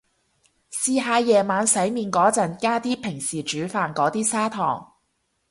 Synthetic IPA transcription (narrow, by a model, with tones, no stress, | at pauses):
siː˧ɦaː˨˧jɛː˨˩maː˨˧nsɐ˨˥jmiː˨˧nkɔː˨˥t͡sɐ˨˩nkaː˥t̪iː˥pʰɪ˨˩ŋsiː˨˩t͡ʃyː˨˥faː˨nkɔː˨˥t̪iː˥saː˥t̪ʰɔ̰ː˨˩ŋ